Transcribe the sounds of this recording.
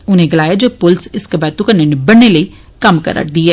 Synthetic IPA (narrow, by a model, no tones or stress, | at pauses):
ʊnẽːɡəlaːjaːd͡ʒoːpʊlsɪskəbɛːt̪ukənenebəɳːeːləiː | kəmkə̰ɾə̰ʈd̪iːɦɛː